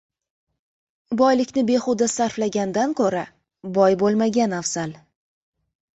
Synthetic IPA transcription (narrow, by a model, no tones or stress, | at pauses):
bɒjlɪkʲnɪbe̞χʊd̪asaɾflaɡʲand̪ankʰoɾa | bɒjbolˠmaɡʲanafsal